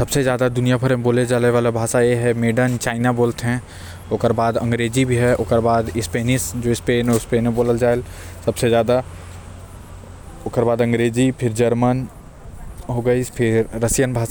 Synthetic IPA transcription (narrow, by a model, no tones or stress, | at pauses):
sɐbsezjaːd̪ad̪ʊnijapʰɐɾboːled͡ʒaːleʋaːlabʱaːʃajeɦɛmeːɖənt͡ʃaːɪnaboːlt̪ɦɛ̃ | oːkəɾbaːd̪ɐ̰̃ŋɡɾeːzibʱiɦɛʔoːkəɾbaːd̪ɪspeːnisd͡ʒoːɪspeːnospeːnɦẽboːləld͡ʒaːel | sɐbsezjaːd̪a | oːkəɾbaːd̪ɐ̃ŋɡɾeːzipʰɪɾd͡ʒɐɾmən | ɦoːɡəipʰɪɾːəsjənbʱaːʃa